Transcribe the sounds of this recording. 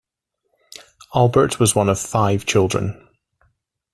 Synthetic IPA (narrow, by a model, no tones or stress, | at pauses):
alˠbə˞ʔwɒzwʌ̃nəv̥faɪv̥t͡ʃʰɪlˠdɹə̰̃n